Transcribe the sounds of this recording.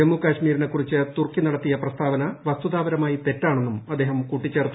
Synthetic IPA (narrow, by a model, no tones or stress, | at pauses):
emːukaːɕmiːɾinekːurit͡ɕːɨt̪urkːinɐɽɐt̪ːijɐprɐst̪ʰaːʋɐnɐʋɐst̪uðaːʋɐɾɐmaːjit̪e̞tːaːɳonːumɐd̪ːeːɦɐmkuːʈːit͡ɕːeːrt̪ː